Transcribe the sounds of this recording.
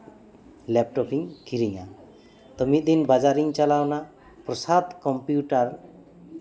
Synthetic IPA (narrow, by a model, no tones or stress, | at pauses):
lep̚ʈɔpʰiŋkiɾiŋa̰ | t̪ɔmid̪inbad͡ʒaɾiŋt͡ʃalawna | prɔsad̪kɔmpjuʈar